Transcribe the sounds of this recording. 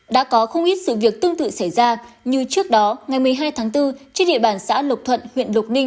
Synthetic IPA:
ɗa̰ː˧˥kɔ˨˦xə˧wŋ͡mʔi˦˥t̚sɨ̰˧˨vi˨˩ək̚t̪ɨ˧ŋt̪ɨ̰˧˨sa˧˩jzaː˧ | ɲɨ˧t͡ɕɨ˦˥ək̚ɗɔ˨˦ŋa˨˩jmɨ˨˩əjɦaː˧jt̪ʰaː˨˦ŋt̪ɨ˧t͡ɕe˧nɗḭ˧˨əɓaː˧˩nsa̰ː˧˥lə˨˩k͡p̚t̪ʰwə̰˧˨nhwḭ˧˨ənlk͡p̚nï˧ŋ̟

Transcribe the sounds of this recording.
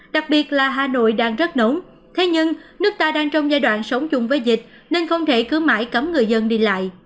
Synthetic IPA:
ɗa˨˩k̚ɓi˨˩ət̚laː˨˩ɦaː˨˩no̰˧˨jɗaː˧ŋzə˦˥t̚no˨˦m | t̪ʰe˨˦ɲɨ˧ŋnɨ˦˥ək̚t̪aː˧ɗaː˧ŋt͡ɕɔ˧wŋ͡mzaː˧jɗwa̰ː˧˨nsə˨˦wŋ͡mt͡ɕʊ˧˩ŋ͡mvəː˨˦jzï˨˩k̟̚ | ne˧nxə˧wŋ͡mt̪ʰe˧˩kɨ˨˦wma̰ː˧˥jkə˨˦mŋɨ˨˩əjzə˧nɗi˧la̰ː˧˨jʔ

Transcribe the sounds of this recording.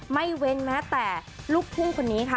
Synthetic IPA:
ma˥˩jwe˧nmɛː˦˥t̪ɛː˨˩luː˥˩k̚pʰu˥˩ŋkʰo˧nːiː˦˥kʰa˦˩

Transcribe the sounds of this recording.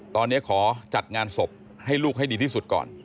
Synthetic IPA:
t̪ɔː˧nːi˦˥ɐkʰɔː˩˦t͡ɕa˨˩t̪̚ŋaː˧nso˨˩p̚ | ha˥˩jluː˥˩k̚ɦa˥˩jdiː˧t̪ʰiː˥˩su˨˩t̪̚kɔ̰ː˨˩n

